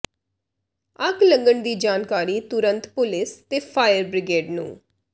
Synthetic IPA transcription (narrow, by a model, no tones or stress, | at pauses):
əklə̃ŋɡəɳd̪iːd͡ʒaːnkaːɾiːt̪ʊɾə̃nt̪pʊlɪst̪eːpʰaːjəɾbɾɪɡeːɖnṵ̃ː